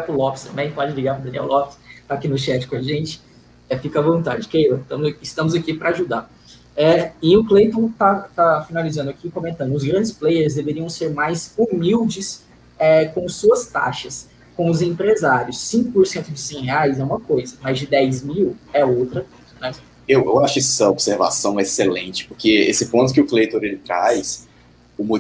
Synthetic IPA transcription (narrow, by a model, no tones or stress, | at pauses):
liɡapɾʊlɔpɪst̪ɐ̃mbẽj̃pɔd͡ʒɪliɡapɾʊd̪ɐ̃niɛ̰wlɔpɪst̪aːkinʊʃɛt͡ʃɪ̥kõaʒẽnt͡ʃɪ̥ | ɛfikɐvõnt̪ad͡ʒɪkejot̪ɐ̃mʊzɪst̪ɐ̃mʊzakipɾɐaʒud̪a | ɛɪʊklejt̪õt̪at̪afinalizɐ̃nd̪ʊakikõmẽnt̪ɐ̃nd̪ʊʊzɡɾɐ̃nd͡ʒɪsplejeɾzd̪eveɾiɐ̃w̃seɾmajzumiwd͡ʒɪs | ɛkõsuɐst̪a̰ʃɐs | kõw̃ʊzẽpɾezaɾjʊsːĩkʊpoɾsẽnt̪ʊd͡ʒɪsẽheajzɛũmɐkojzɐmazd͡ʒɪd̪ɛjzmiwɛowt̪ɾɐkõzɐnɛ | ewḛwaʃʊkɛsɐobseɾva̰sɐ̃w̃ɛeselẽt͡ʃɪ̥pʊɾkeḛsɪpõt̪ʊkɪʊklejt̪õɾelɪt̪ɾa̰js | ʊmu